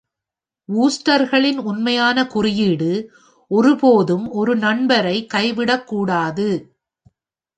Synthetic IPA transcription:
uːsʈɐɾɣɐɭɪnʊnmɐjaːnɐkʊrɪjiɽɯ | ʔɔɾɯpoːðɯmɔɾɯnɐɳbɐɾɐɪkɐɪʋɪɽɐkːuːɽaːðɯ

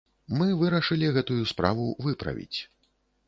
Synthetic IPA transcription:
mɨvɨɾɐʂɨlʲiɣɛt̪ujuspɾa̰vuvɨpɾɐ̰vʲḭt͡sʲ

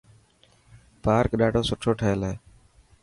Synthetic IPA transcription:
paːɾkɗaːɖʱoːsʊʈʰoːʈʰəɦeleː

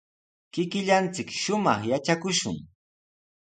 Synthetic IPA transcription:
kɪkɪʎant͡sɪkʃʊmɑχjat͡ʃakʊʃʊ̰ŋ

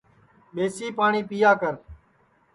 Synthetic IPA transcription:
ɓeːsiːpaːɳiːpiːjaːkəɾ

